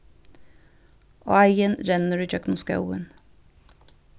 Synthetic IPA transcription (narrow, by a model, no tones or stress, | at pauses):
ʔo̰ːæɪənɾɛnəɾʉːc͡çœknʊskɑ̰uə̰n